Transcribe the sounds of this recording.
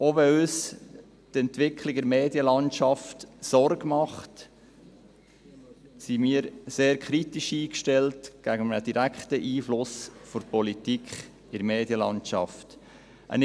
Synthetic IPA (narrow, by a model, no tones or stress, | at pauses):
oʋɛøːs | tɛntʋɪkʰliɡdɛɾmeːdjəlɑntʃɑftsɔɾɡmɑχt | simiːəɾseːɾkχɾitiʃiːkʃtɛltɡ̥æɡəmənəd̥iɾækχtəʔiːflʊsfʊɾpɔlitikχ | ɪɾmeːd̥jəlɑ̰ntt͡ʃɑ̰ft | ʔə̰n